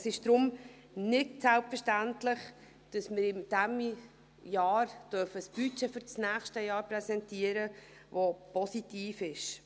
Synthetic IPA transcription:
sɪʃd̥ɾʊm | nɪtsɛlpfəɾʃtæntlɪχ | d̥ɑsmɪɾɪmd̥æm | jɑːɾd̥œɾfəsb̥yt͡ʃɛfyɾt͡snæːχʃtəjɑːɾprɛsɛntiəɾə | ʋopɔsitiːfɪʃ

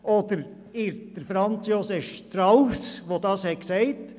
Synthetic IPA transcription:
ʔoːd̥əɾ | ɪɾd̥əɾfɾɑnt͡sjosɛfʃtɾaʊsʋodɑshɛkseɪt

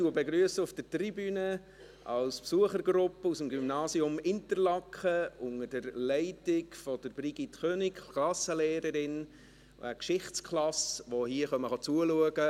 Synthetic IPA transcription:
tuəbeɡɾyəsəʊfd̥ətribyːnə | ɑlspsuəχəɾɡɾʊpːəusəmɡymnɑːsiʊmɪntəɾlɑkχəʊŋəd̥əɾlɛɪtɪkfɔd̥əɾb̥ɾiɡitχøːnɪkklɑsəleːɾəɾɪn̰ | ækʃɪχtskʰlɑsʋohiəχœməχɑt͡suəluəɡə

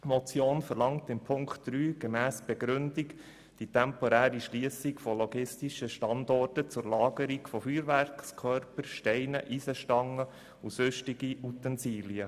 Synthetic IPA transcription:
mɔt͡sjoːnfəɾlɑŋtɪmpʰʊŋkχtd̥ɾyːɡ̥emæːsb̥eɡɾʏndik | d̥itʰɛmpɔɾæːɾiʃliəsikfɔlɔɡɪstiʃəʃtɑndɔrtət͡sʊɾlɑːɡəɾikfɔfyːɾʋæɾkskʰœrpəɾʃtɛɪnəʔiːsəʃtɑŋːə | usʏʃtiɡiut̪ənsiːliə

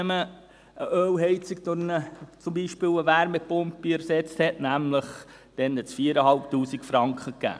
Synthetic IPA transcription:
ɛmə | ʔəʔøːwɦɛɪt͡siɡdʊɾnət͡sʊmbiːʃpɪːwəʋæɾmɛpʊmpːiɛɾsɛt͡sthɛtnæmləχ | d̥ɛnɛt͡sfiəɾəɦɑlp̚tuːsikfɾɑŋkχəkːæ̰ː

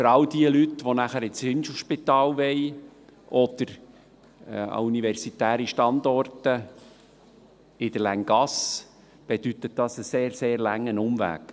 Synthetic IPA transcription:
fəɾɑld̪iəlytʋonæχəɾɪt͡shɪnʃoʃpɪt̪ɑːlʋɛɪʔɔd̪̥əɾ | ɑ̰univɛɾsitæːɾiʃtɑnd̪ɔrtə | ɪd̥̪əlæŋɡɑs | b̥ed̥yt̪ət̚d̥ɑsəseːɾseːɾlæŋːənʊmvæ̰ːk

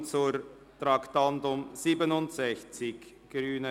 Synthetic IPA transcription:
t͡suɾ | tɾɑktandʊmz̥iːbənʊntsɛçt͡sɪç | ɡ̥ɾyːnə

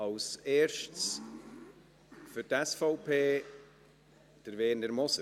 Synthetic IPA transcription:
ɑwseːɾʃts | fʏɾtɛsfɔʊpʰeː | d̥əɾveːnəɾmɔsə

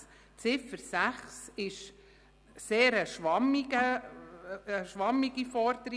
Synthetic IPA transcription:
t͡sɪfəɾsæχsɪʃ | seːɾəʃʋɑmiɡəː | ʃʋɑmiɡifɔɾd̪əɾi

